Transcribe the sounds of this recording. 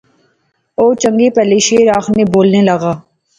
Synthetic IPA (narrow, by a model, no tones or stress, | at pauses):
oːt͡ʃəŋɡeːpɛːleʃeːɾaːxneːboːlneːləɣaː